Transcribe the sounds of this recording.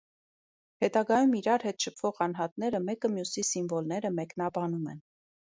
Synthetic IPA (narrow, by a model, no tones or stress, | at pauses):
hɛt̪ɑɡɑjumiɾɑɾɦɛt̪ʃəpʰv̥ɔʁɑnɦɑt̪nɛɾəmɛkəmjusisimvɔlnɛɾəmɛknɑbɑnumɛ̰n